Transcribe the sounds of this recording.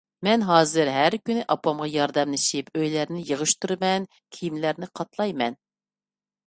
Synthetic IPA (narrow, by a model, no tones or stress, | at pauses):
mɛnɦɑːzɨɾɦæɾkʲynɪʔɑpɑmʁɑjɑɾd̪ɛmlɪʃɪpʰøjlæɾnɪjəʁɨʃt̪uɾɨmɛn | kʲʰijimlæɾnɪqʰɑt̪lˠɑjmɛn